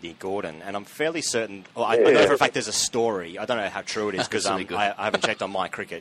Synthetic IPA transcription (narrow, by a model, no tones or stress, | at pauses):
diɡɔɹdⁿn̩ɨ̃ñãɪ̃ɱffɛɹlˠisɜ˞ʔn̩ˠaɪaɪõnʊəfæk̚ðə˞zəstɔɹiaɪdõʊ̃nːoʊhaʊtʰɹ̥ʉɨɾɨz̥kʰʌzãɪ̃maɪaɪhævn̩t͡ʃʰɛɪtn̩maɪkʰɹ̥ɪkɨt̚